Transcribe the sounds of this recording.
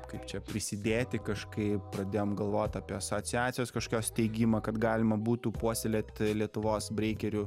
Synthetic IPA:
kɐɪpt͡ʃʲɛpʲɾʲɪsʲɪd̪ʲeːt̪ʲɪkɐʃkɐɪpɾɐd̪ʲeːjoːmɡɐlˠʋoːt̪ʲɐːpʲiɛɐsotsʲɪæːt̪sʲɪjoːskɐʃkʲoːst̪ʲɛɪɡʲimɐkɐt̪ɡɑːlʲɪmɐbuːt̪upuɔsʲɛlʲeːt̪ʲlʲiɛt̪ʊʋoːsbʲɾʲɛɪkʲɛɾʲʊ

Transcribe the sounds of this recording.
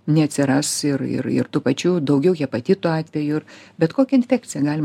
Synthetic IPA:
nʲɛɐt̪ʲsʲɪɾɐsɪrɪ̰ɾɪ̰rt̪uːpɐt͡ʃʲuːd̪ɐʊɡʲɛʊjipɐt̪ʲɪt̪uɑːt̪ʲʋʲɛjʊɪbʲɛt̪koːkʲɛɪnʲfʲæːk̚t͡sʲɪjɛɡɑːlʲɪm

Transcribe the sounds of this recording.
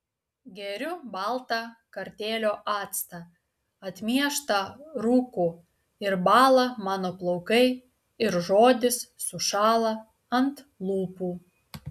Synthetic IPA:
ɡʲɛɾʲʊbɑlˠt̪ɑkɐɾʲt̪ʲeːlʲoːʔɑːt̪st̪ɐ | ɐt̪ʲmʲiɛʃt̪ɐɾuːkʊ | ɪɾbɑːlˠɐmɑːnoːplˠɐʊkɐɪ | ɪɾʒoːd̪ʲɪssʊʃɑːlˠɐ | ɐnt̪ | lˠuːpuː

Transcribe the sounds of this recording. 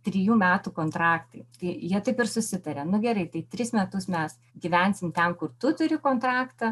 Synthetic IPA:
t̪ʲɾʲɪjuːmʲæːt̪uːkoːnt̪ɾɑːkt̪ɐɪt̪ɐɪjiɛt̪ɐɪpɪrsʊsʲɪt̪ɐɾʲɛnʊɡʲɛɾɐɪt̪ɐɪt̪ʲɾʲɪsmʲɛt̪ʊsmʲɛs | ɡʲiːʋʲɛnʲsʲɪmt̪ʲɛmkʊrt̪ʊt̪ʊɾʲɪkoːnt̪ɾɑːkt̪ɐ

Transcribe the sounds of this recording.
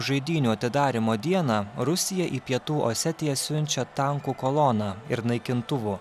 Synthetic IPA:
ʒɐɪd̪ʲiːnʲuːɐt̪ʲɪd̪ɑːɾʲɪmoːd̪ʲiɛnɑːɾʊsʲɪjɛʔiːpʲiɛt̪uːʔo̰sʲɛt̪ʲɪjɛsʲʊnʲt͡ʃʲɛt̪ɑˑŋkuːkolˠɔnɑːɪɾnɐɪkʲɪnt̪ʊʋuː

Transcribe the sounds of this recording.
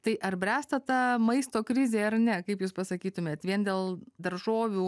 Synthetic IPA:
t̪ɐɪʔɐɾbʲɾʲæːst̪ɐt̪ɑːmɐɪst̪oːkɾʲɪzʲeːɐrnʲɛkɐɪpjuːspɐsɐkʲiːt̪ʊmʲeːt̪ʋʲiɛnd̪ʲeːlˠd̪ɐɾʒoːʋʲuː

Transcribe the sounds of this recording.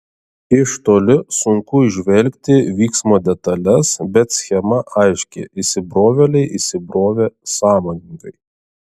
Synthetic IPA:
ɪʃt̪oːlʲɪsʊŋkʊɪʒʲʋʲɛlʲkʲt̪ʲɪʋʲiːksmoːd̪ʲɛt̪ɐlʲɛsbʲɛt̪sʲxʲɛmɐʔɐɪʃʲkʲḛːʔisʲɪbɾoːʋʲɛlʲɛɪʔisʲɪbɾoːʋʲeːsɑːmoːnʲɪŋkɐɪ

